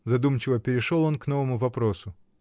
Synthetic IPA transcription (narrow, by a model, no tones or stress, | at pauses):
zɐd̪umt͡ɕɪvəpʲɪɾʲɪʂolˠo̞nkno̞vəmʊvɐpɾo̞sʊ